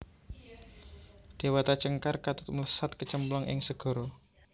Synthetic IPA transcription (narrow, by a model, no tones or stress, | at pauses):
d̥e̤wat̪at͡ʃəŋkarkat̪ʊt̪̚mələsat̪̚kət͡ʃəmplɔŋʔɪ̰ŋsəɡ̥ɔ̤ɾɔ